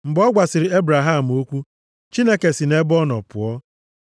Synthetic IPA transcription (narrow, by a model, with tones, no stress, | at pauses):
m̩˨bɔ˦ɡʷa˨sɪ˨ɾɪ˨e˦bɾa˨ɦa˦˨m̩˨o˦kʷu˦ | t͡ʃi˦ne˦ke˨si˨ne˦bɔ˦nɔ̰˨pʊ̰˨ɔ˦